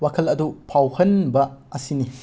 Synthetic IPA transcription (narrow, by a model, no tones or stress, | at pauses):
wakʰɐlɐdupʰawhɐnbɐɐsini